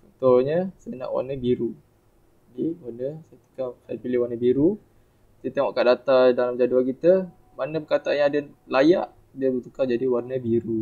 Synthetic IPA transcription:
t͡ʃɔnt̪oɲəsajana̰ʔwa̰nəbiɾu | d͡ʒadiwarnəsajat̪u̥kasajapilɪhwanəbiɾu | t̪iət̪eŋɔʔkaʔdat̪adalamd͡ʒaduankit̪ə | manəpəkat̪aanjaŋadəlajaʔ | diəlut̪ukad͡ʒadiwarnəbiɾu

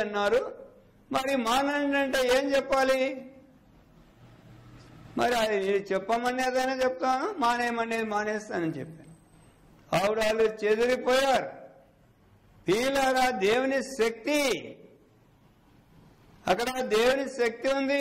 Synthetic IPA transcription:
ɐnːaːɾu | mɐɾimaːnɐɳʈɐɳʈeːe̞ːmt͡ʃɛpːaːli | mɐɾiɐd̪iniːɾut͡ʃɛpːɐmɐɳːeːd̪ɐjnaːt͡ʃɛput̪aːnumaːneːmɐɳːeːd̪imaːneːst̪aːnɐnit͡ʃɛpːaːnu | ɐwuɽaːlːut͡ʃed̪uɾipɔːjaːɾ | piːlaːɾaːd̪e̞ːwuniʃɐk̚t̪i | ɐkːɐɽɐd̪eːwuniʃɐk̚t̪iund̪i

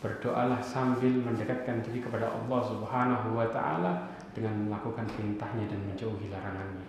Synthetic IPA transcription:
b̥ərdoʔalahsambɪlməndəkat̪̚kant̪adikəpadaʔɑ̰lːɑhsubəɦanaɦuwat̪a̰ʔa̰la | d̥əŋanməlakukanpəɾint̪ahɲadanməɲd͡ʒauɦilaɾaŋanɲa

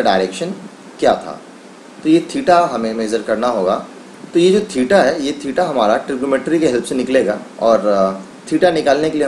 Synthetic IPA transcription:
ɖaːɪɾeːkʃən | kjaːt̪ʰa̰ː | t̪ojet̪ʰiːʈaɦɐmẽmeːd͡ʒəɾkɐɾnaɦoːɡa̰ː | t̪ojed͡ʒoːt̪ʰiːʈaɦɛjet̪ʰiːʈaɦɐmaːɾaʈɾɪbjumẽːʈɾikeɦɛlpʰsenɪkleːɡa̰ːɔːɾ | t̪ʰiːʈanɪkaːlnekelie

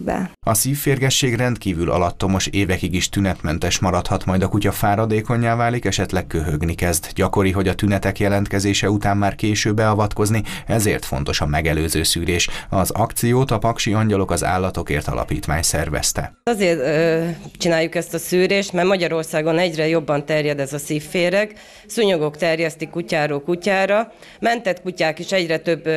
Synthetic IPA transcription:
bɛ̰ɒsiːfːeːrɡɛʃːeːɡrɛnt̪kiːvylɒ̰lɒt̪ːo̞mo̞ʃeːvɛkiɡiʃt̪ynɛt̪mɛnt̪ɛʃmɒɾɒt̪hɒt̪mɒjd̪ɒkucɒfaːɾɒd̪eːko̞ɲːaːvaːlikɛʃɛt̪lɛk̚køɦøɡnikɛzd̪ɟɒko̞ɾiɦo̞ɟɒt̪ynɛt̪ɛkjɛlɛnt̪kɛzeːʃɛut̪aːmːaːrkeːʃøːbːɛɒvɒt̪ko̞zniɛzeːrt̪fo̞nt̪o̞ʃɒmɛɡɛløːzøːsyːɾeːʃɒzɒkt̪sijoːt̪ɒpɒkʃiɒɲɟɒlo̞kɒza̰ːlːɒt̪o̞kḛːrt̪ɒ̰lɒ̰pḭːt̪ʋa̰ːɲsɛrvɛ̰st̪ɛ̰ɒzeːrt̪ | t͡ʃinaːjːukɛst̪ɒsyːɾeːʃt̪mɛrmɒɟɒɾo̞rsaːɡo̞nɛɟrɛjo̞bːɒnt̪ɛrjɛd̪ɛzɒsiːfːeːɾɛk | suɲoɡo̞kt̪ɛrjɛst̪ikːucaːɾoːlkucaːɾɒ | mɛnt̪ɛt̪kucaːkeʃɛɟrɛt̪øbː

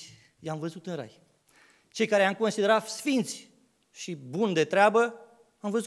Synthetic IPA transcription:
jamvəzut̪ɨnɾa̰j | t͡ʃe̞jkaɾeamko̞nsid̪e̞ɾat̪sfint̪sʲ | ʃibund̪e̞t̪ɾeabə | amvəzu

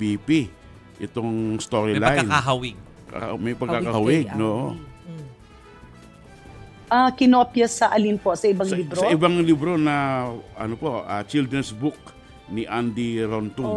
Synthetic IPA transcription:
pipi | ʔɪt̪oŋst̪oɾilajnaɦawɪɡ̚ | ka̰mɐjpɐɡkːakahawɪɡnoʔo | ʔakɪnopjɐsɐʔɐlinposɐʔɪbɐŋlibɾosɐʔɪbaŋlibɾo̞nɐʔɐ̰nopoat͡ʃild̪ɾɛnsbʊk̚ | niʔand̪iɾont̪u

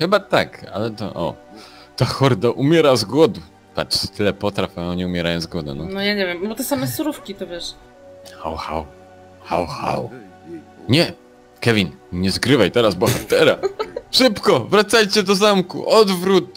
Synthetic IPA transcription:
xɘbat̪a̰ka̰lɛt̪ɔ̰ʔɔ̰ | t̪axɔɾd̪aʔumʲjɛɾazɡwɔd̪u | pa̰tt̪ʰɘlɛpɔt̪ɾafʲaɔɲiumʲjɛɾajɔ̃w̃zɡwɔd̪ṵnɔnɔjaɲɛvʲjɛmbbɔt̪ɛsamɛsuɾufkʲit̪ɔvʲjɛʂ | xa̰wxa̰w | xa̰wxa̰w | ɲɛ | kɛvʲinɲɛzɡɾɘvajt̪ɛɾazbɔxat̪ɛɾa̰ʂɘpkɔvɾat̪sajt͡ɕɛd̪ɔzamkṵʔɔd̪vɾut̪̚

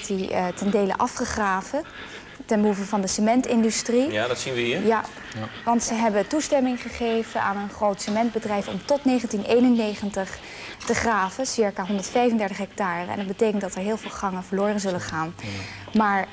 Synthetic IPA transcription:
titɛndejlə̰ʔɑfχəχraːvə | tɛnbəɦufəvɑndəsəmɛntɪndystriadtsinʋəɦiːja | ʋɑntsəɦɛbətustɛmɪŋχəχejvənaːnənχrowtsəmɛnd̚bədrɛjfɔ̰mtɔtnejχəntinejnənːejχəntəχ | təχraːvəsɪɹkaːɦɔndəɹtfɛjvəndɛɹtəχɦɛk̚taːrəɛ̰ndɑd̚bətejkəntdɑtɛɹɦɪːlˠvɪːlˠχɑŋənvəɹloːrənzɵləχaːn | maːɹ

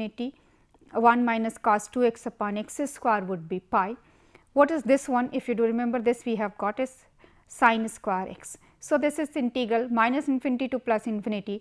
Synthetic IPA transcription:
ɪʈi | ʋʌ̃nmaɪnəskɔːsʈʈuːeksɐpɔ̃neksɪskwaːɾʋʊɖ̚bipaɪ | ʋɔʈɪzd̪ɪsʋʌ̃nʔɪfjuɖuɾɪmẽmbəɾd̪ɪsʋiːɦæʋɡɔːʈɪsː | ãɪ̃nskwaːɾʔḛksː | oːd̪ɪsɪzɪ̃nʈiɡɾəlmaɪnəsɪ̃nfɪ̃nɪʈiʈuːplɐsɪ̃nfɪ̃nɪʈi

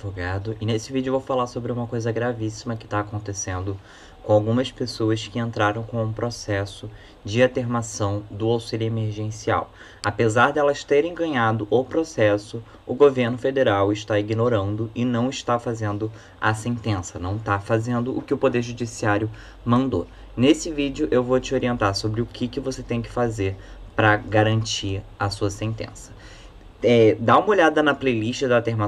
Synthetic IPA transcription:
voɡad̪ʊʔɪnesɪvid͡ʒʊevowfalasobɾɪũmɐkojzɐɡɾavisimɐkɪ̥t̪aːkõnt̪esẽnd̪ʊ | kõawɡũmɐspesoɐskɪẽnt̪ɾaɾɐ̃w̃kõũpɾosɛsʊ | d͡ʒɪat̪eɾmasɐ̃w̃d̪ʊawsiʎʊemeɾʒẽsia̰w | apezaɾd̪ɛlɐʃt̪eɾẽj̃ɡɐ̃ɲad̪ʊʔʊpɾosɛsʊ | ʊɡoveɾnʊfed̪eɾawɪʃt̪aiɡinoɾɐ̃nd̪ʊɪnɐ̃w̃ɪʃt̪afazẽnd̪ʊ | ɐ̰sẽnt̪ẽsɐnɐ̃w̃t̪afazẽnd̪ʊʔːkɪʊpod̪eɾʒud͡ʒisiaɾjʊ | mɐ̃nd̪o̰ | nesɪvid͡ʒɪʊʔewvot͡ʃɪoɾiẽnt̪aɾsobɾɪʊkʰɪkɪvoset̪ẽj̃kɪ̥fazeɾpɾɐɡaɾɐ̃nt͡ʃiɐsuɐsẽnt̪ḛ̃sɐ̥ | ɛd̪aũmɐoʎad̪ɐnɐplejliʃt͡ʃɪd̪ɐt̪eɾma

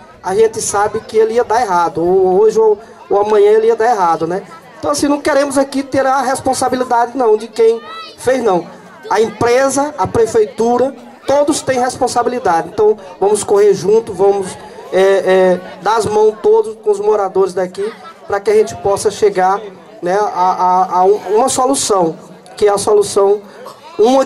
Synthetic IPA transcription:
aʒẽnt͡ʃɪsabɪkɪeliɐd̪aɛɦad̪ʊooʒɪo | oamɐ̃ɲɐ̃eliɐd̪aeɦad̪ʊnɛẽt̪ɐ̃w̃asĩnɐ̃w̃keɾẽmʊzakit̪eɾɐɦespõsabilid̪ad͡ʒɪnɐ̃w̃d͡ʒɪkẽj̃fejznɐ̃w̃ | ɐẽpɾezɐːpɾefejt̪uɾɐ | t̪od̪ʊst̪ẽj̃ɦespõsabilid̪ad͡ʒɪẽnt̪ɐ̃w̃vɐ̃mʊskoheɾʒũnt̪ʊvɐ̃mʊs | ɛɛd̪azmɐ̃w̃t̪od̪ʊskõʊzmoɾad̪oɾɪzd̪akipɾɐkɪɐʒẽt͡ʃɪ̥pɔsɐʃeɡaɾ | nɛaaũũmɐsolusɐ̃w̃ | kɪɛɐsolusɐ̃w̃ | ũmɐ

